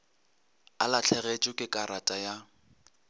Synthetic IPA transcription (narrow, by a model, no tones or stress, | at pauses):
alat͡ɬʰɛɣet͡ʃʼʊkʼɪkʼaɾatʼaja